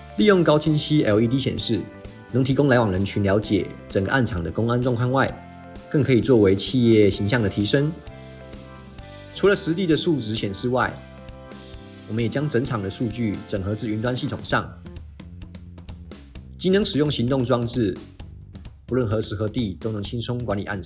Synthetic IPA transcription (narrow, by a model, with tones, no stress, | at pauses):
li˥˧jʊ˥˩ŋkɑ˥ʊt͡ɕʰi˥nɕi˥ɛ˧˩i˧˥t̪̬i˥ɕjɛ̰˨˩nʂɻ̩˥˩ | nɤ˧˥ŋt̪ʰi˧˥kʊ˥ŋla˧ɪwɑ˨˩ŋɻə˧˦nt͡ɕʰy˧nljɑ˧˥ʊt͡ɕjɛ̰˨˩ʈ͡ʂə˨˩ŋɡə̰˩˦ʔa˥˩nt͡sʰɑ˨˩ŋd̪ə˦kʊ˥ŋa˦nʈ͡ʂwɑ˥˧ŋkʰa˥˧nwa˥˧ɪ | kə˥˩ŋkʰɤ˧˥i˨˩t͡swɔ˥˩we˧˦˥ɪt͡ɕʰi˥˧jɛ˥˩ɕi˧˥ŋɕjɑ˥˩ŋd̪ə˩t̪ʰi˧˥ʂə˥ŋ | t͡sʰu˧˥lə˨ʂɻ̩˧˥t̪i˥˩d̪ə˨ʂu˥˩ʈ͡ʂɻ̩˧˥ɕjɛ˨˩nʂɻ̩˥˧wa˥˩ɪ | wɔ˨˩mə˦njɛ˨˩t͡ɕjɑ˥ŋʈ͡ʂə˧˥ŋʈ͡ʂʰɑ˨˩ŋd̪ə˩˦ʂu˥˧t͡ɕy˥˩ʈ͡ʂə˨˩ŋxɤ˧˥t͡s̩˥˩y˧˥nt̪wa˥˦nɕi˥˩t̪ʰo̰˨˩ŋʂɑ˥˩ŋ | t͡ɕi˥nɤ˧˦ŋʂɻ̩˨˩jʊ˥˩ŋɕi˧˥ŋt̪ʊ˥˧ŋʈ͡ʂwɑ˥˧ŋʈ͡ʂɻ̩˥˩ | u˧lwə˥˩nxɤ˧˦ʂɻ̩˨˩xɤ˧˥t̪i˥˧t̪o˥ʊnɤ˧˥ŋt͡ɕʰi˥nsʰʊ˥ŋkwa˧˦nli˨˩ʔa̰˥˩nʰ˨˦